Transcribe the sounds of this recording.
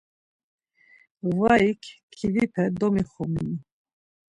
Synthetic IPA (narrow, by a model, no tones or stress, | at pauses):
vaikʰkʰːivipʰɛd̪ɔmiχɔmḭni